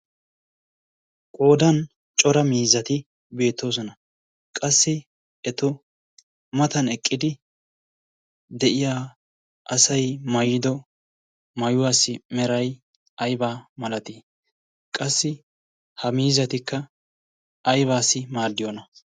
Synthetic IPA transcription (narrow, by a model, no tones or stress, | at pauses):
kʼo̞ːd̪ɐn | t͡ʃʼɔɾɐmiːzɐt̪ɪ | be̞ːt̪ːo̞ːs̬ɔnɐ | kʼɐsːɪ | ɛt̪ʊ | mɐt̪ɐnɛkʼːɪd̪ɪ | d̪ɛʔɪjaː | ʔɐsɐjmɐjɪd̪ɔ | mɐjʊwaːsːɪmɛɾɐj | ɐjbaːmɐlɐt̪i | kʼɐsːɪ | hɐmiːzɐt̪ɪkːɐ | ɐjβaːsːɪmaːd̪ːɪjɔnɐ